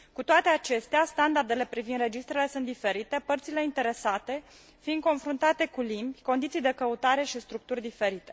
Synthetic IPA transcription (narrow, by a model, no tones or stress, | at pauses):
kut̪oat̪e̞at͡ʃe̞st̪east̪and̪ard̪e̞le̞pɾivind̪re̞d͡ʒist̪ɾele̞sunt̪̚d̪ife̞ɾit̪e̞pərt̪sile̞int̪e̞ɾe̞sat̪e̞ | find̪̚ko̞nfɾunt̪at̪e̞kulimbʲko̞nd̪it̪sijd̪e̞kəut̪aɾe̞ʃist̪ɾuk̚t̪urʲd̪ife̞ɾit̪e̞̥